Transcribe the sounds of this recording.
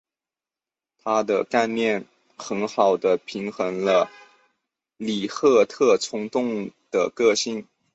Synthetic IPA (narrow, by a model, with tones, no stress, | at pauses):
t̪ʰa˥d̪ə̰˧ka˥˧ɪnjɛ˥˩n | xə˧˥nxɑ˨˩ʊd̪ə˦pʰi˧˥ŋxɤ˧˥ŋlə˧ | li˨˩xɤ˥˧t̪ʰɤ˥˩t͡sʰʊ˥ŋt̪ʊ˥˩ŋd̪̥ə̰˩kɤ˥˧ɕi˥˩n